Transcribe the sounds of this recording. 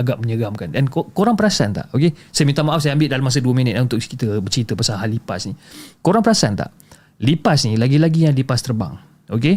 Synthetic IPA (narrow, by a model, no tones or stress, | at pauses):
aɡaʔməɲəɡamkandankokoɾaŋpəɾasant̪a̰ʔʔokesajmint̪amaʔafsajaambɪlʔdalamas̬əduəmĩnət̪̚launt̪ʊkkit̪əbət͡ʃit̪əpasaɦalːipa̰snikoɾaŋpəɾasant̪a̰ʔ | lipasnilaɡilaɡijaŋlipast̪ərba̰ŋ | ok̬e